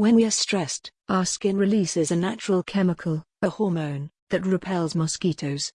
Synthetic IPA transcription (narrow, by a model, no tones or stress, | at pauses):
wɨ̃nwiə˞stɹ̥ɛstɑˑskɪ̃nɹɨlisɪzɨnæt͡ʃəɹəlˠkʰɛməkʰəlˠ | əhɔɹmõʊ̃nðɨt̚ɹɨpʰɛlˠzmɑskiɾʰoʊz̥